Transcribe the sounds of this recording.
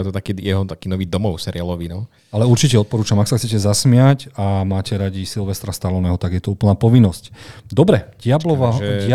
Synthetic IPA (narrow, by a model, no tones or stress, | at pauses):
jɛt̪ɔt̪akiːjɛɦɔt̪akiːnɔʋiːd̪ɔmɔʊsɛɾɪalɔʋinɔ | alɛuɾt͡ʃicɛɔt̪pɔɾuːt͡ʃamaksaxt͡sɛcɛzasmɪacamaːcɛɾaɟisilʋɛst̪ɾast̪alɔnɛːɦɔt̪aɡjɛt̪ɔuːpl̩naːpɔʋinːɔscd̪ɔbɾɛɟɪablɔʋaɪa